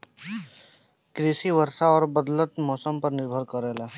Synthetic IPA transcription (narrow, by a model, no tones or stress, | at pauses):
kɾɪsiʋəɾʃaɔːɾbəd̪lət̪mɔːsəmpəɾnɪɾbʱəɾkəɾɛːlaː